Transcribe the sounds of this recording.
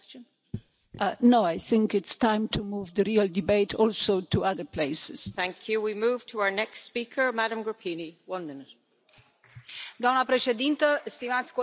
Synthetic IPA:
noʊajθɪ̃ŋkɪtstãɪ̃mt̪ʰumuvðəɾiəldibeɪtʰɔlsoʊtʰuaðə˞pʰleɪsɪz̥θθæ̃ŋkʰjɨwimʉv̥tʰəaʊə˞nɛkstspikʰə˞maɾə̃mɡɹəpʰĩniwʌ̃nmɪ̃nɪt̚ | d̪oamnəpɾeʃed̪int̪əst̪imat̪sʲk

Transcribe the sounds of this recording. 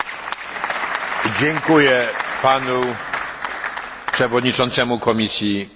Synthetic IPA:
d͡ʑɛŋkujɛpanu | pʂɛvɔd̪ɲit͡ʂɔnt̪sɛmukɔmʲisʲji

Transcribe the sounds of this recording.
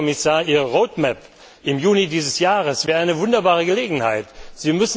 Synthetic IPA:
ɔmɪsaːɐʔiːʁəʁoʊtmɛp | ʔɪmjuːnidiːzəsjaːʁəsv̥ɛːɐʔaɪnəvʊndɐbaːʁ̞əɡəleːɡŋ̩ha̰ɪtz̥iːmʏs

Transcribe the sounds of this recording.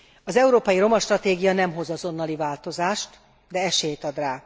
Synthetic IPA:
ɒzɛuɾoːpɒjiɾo̞mɒʃt̪rɒt̪eːɡijɒnɛmɦo̞zɒzo̞nːɒlivaːlt̪o̞zaːʃt̪ | d̪ɛɛʃeːjt̪ɒd̪raː

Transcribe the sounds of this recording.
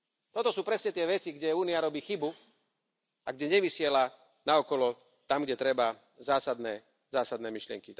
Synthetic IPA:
t̪ɔt̪ɔsuːpɾɛsɲɛt̪ɪɛʋɛt͡siɡɟɛuːniaɾɔbiːxibu | aɡɟɛɲɛʋisɪɛla | naɔkɔlɔ | t̪amɡɟɛt̪ɾɛba | zaːsad̪nɛː | zaːsad̪nɛːmiʃlɪɛ̰ŋki

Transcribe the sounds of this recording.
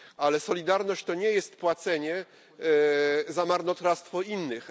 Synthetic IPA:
alɛsɔlʲid̪aɾnɔɕt͡ɕt̪ɔɲɛjɛst̪pwat̪sɛɲɛ | zamaɾnɔt̪ɾast̪fɔinːɘx

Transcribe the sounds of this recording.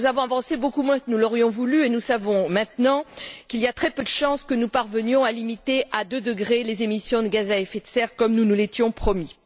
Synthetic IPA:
zavɔ̃avɑ̃sebokumwɛ̃kənulɔʁjɔ̃vulyenusavɔ̃mɛ̃t̪nɑ̃kiliat̪χɛpød̪əʃɑ̃skənupaʁvənjɔ̃alimit̪eʔad̪ød̪əɡʁelezemisjɔ̃d̪əɡazaɛfɛt̪sɛʁkɔmnunulet̪jɔ̃pχɔmi

